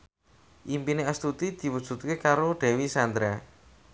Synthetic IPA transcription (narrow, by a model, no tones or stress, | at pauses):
ʔimpineast̪ut̪id̪̥i̤wud̥ʒ̥ṳt̪̚kekaɾoɖ̪̥ɛ̤wisand̪ɾa